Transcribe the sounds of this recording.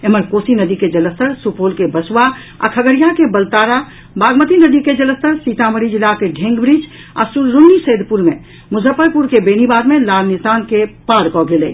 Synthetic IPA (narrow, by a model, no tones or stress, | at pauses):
eməɾkoːsinəd̪iked͡ʒələst̪əɾsupolkebəsuwa | a̰kʰəɡəɾijakebəlt̪aːɾa | baːɡmət̪inəd̪iked͡ʒələst̪əɾsit̪aməɾid͡ʒilakeɖʱẽŋɡbɾid͡ʒ | a̰suɾːunːiseːd̪puɾmẽ | mʊzʱəpːəɾpuɾkebeːnibaːd̪mẽlaːlnisaːnkepaːɾkɔɡelḛ